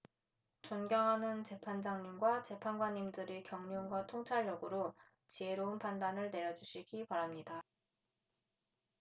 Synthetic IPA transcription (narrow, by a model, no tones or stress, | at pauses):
t͡ɕonɡjʌŋɦanɯnt͡ɕe̞pʰand͡ʑaŋɲimɡwat͡ɕe̞pʰanɡwaɲːimdɯɾikjʌŋɲunɡwatʰoŋt͡ɕʰaɭjʌɡɯɾo | t͡ɕieɾounpandanɯɭne̞ɾjʌd͡ʑuɕʰiɡipaɾamɲida